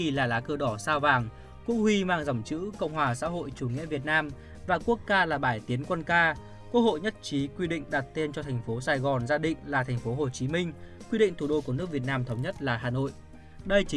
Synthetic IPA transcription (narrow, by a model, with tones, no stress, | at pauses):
i˨˩laː˨˩laː˨˦kɨ˧ɗɔ˧˩saː˧wvaː˨˩ŋ | kṵ˧˥hwi˧maː˧ŋza˧˩wŋ͡mt͡ɕɨ̰˧˥kə̰˧˨wŋ͡mhwaː˨˩sa̰ː˧˥ɦo̰˧˨jt͡ɕu˧˩ŋḭ˧˥əvi˨˩ət̚naː˧m | vaː˨˩ku˦˥ək̚zaː˧laː˨˩ɓaː˧˩jt̪i˨˦ənkwə˧nkaː˧ | ku˦˥ək̚ho̰˧˨jɲə˦˥t̚t͡ɕi˨˦kwi˧ɗḭ̈˧˨ŋ̟ɗa˨˩t̚t̪e˧nt͡ɕɔ˧t̪ʰɛ˨˩ŋ̟fo˨˦saː˧˩jɣɔ˨˩nzaː˧ɗḭ̈˧˨ŋ̟laː˨˩t̪ʰɛ˨˩ŋ̟fo˨˦ɦo˨˩t͡ɕi˨˦mï˧ŋ̟ | kwi˧ɗḭ˧˨ŋ̟t̪ʰu˨˩ɗo˧ku˧˩ənɨ˦˥ək̚vi˨˩ət̚naː˧mt̪ʰə˨˦wŋ͡mɲə˦˥t̚laː˨˩ɦaː˨˩no̰˧˨jʔ | ɗə˧jt͡ɕi˨˦